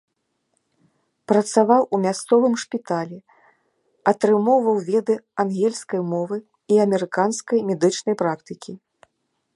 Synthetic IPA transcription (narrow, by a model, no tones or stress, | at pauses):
pɾɐt̪savawumʲast̪sɔvɨmʂpʲit̪alʲɛ | ɐt̪ɾɨmɔwvɐwvʲɛd̪ɨanɣʲɛlʲskɐjmɔvɨ | iɐmʲɛɾɨkanskɐjmʲɛd̪ɨt͡ʂnɐjpɾakt̪ɨkʲʰi